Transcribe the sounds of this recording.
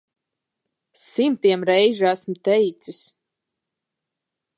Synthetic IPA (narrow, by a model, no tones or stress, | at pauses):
simt̪iɛmɾɛjʒiæsmʊt̪ɛjt̪sis